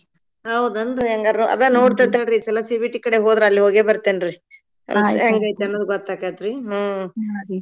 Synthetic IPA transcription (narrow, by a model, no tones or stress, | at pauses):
ɦɐwd̪ɐnd̪uɐŋɡɐɐ̰d̪ɐnoːɽt̪ɐt̪ɐɾiːsɛlɐsibiʈːikɐɽeɦoːd̪ɾeɐlːiɦoːɡebɐɾt̪enɾḭ | ɐŋɡejt̪ɐnːod̪uɡɔt̪ːakat̪ɾiɦ